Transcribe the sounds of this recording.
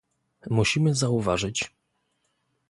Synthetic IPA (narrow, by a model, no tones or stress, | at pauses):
muɕimɘzauvaʐɘt͡ɕ